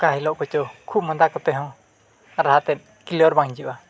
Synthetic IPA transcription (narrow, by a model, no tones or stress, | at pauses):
kaɦilɔʔkɔt͡ʃɔkʰub̚mɔd̪akɔt̪ɛɦɔ̃ | ɾaɦat̪ɛt̪̚ˀ | kilɔɾbaŋd͡ʒiʔa